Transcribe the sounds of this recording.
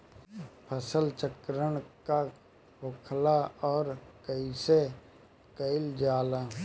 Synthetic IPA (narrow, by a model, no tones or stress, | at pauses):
pʰəsəlt͡ʃəkɾəɽka | ɦʊkʰlaɔːɾkəɪse | kəɪld͡ʒaːlaː